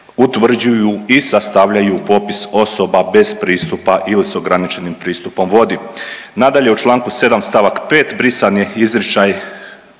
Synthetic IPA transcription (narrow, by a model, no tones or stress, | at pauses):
ut̪ʋr̩d͡ʑujuisast̪aʋʎajupo̞piso̞so̞babe̞z̥pɾiːst̪upaʔilisoɡɾanit͡ʃe̞nimpɾiːst̪upo̞mʋo̞d̪i | nad̪aʎe̞ut͡ʃlˠaːŋkuse̞d̪amst̪aʋakpe̞ːt̪bɾisanjeizɾit͡ʃaj